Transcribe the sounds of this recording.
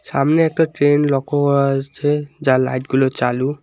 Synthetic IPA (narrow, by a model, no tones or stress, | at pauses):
samnɛːk̚tatɹenlɔkʰɔasʰɛzalajtɡulɔt͡ʃalu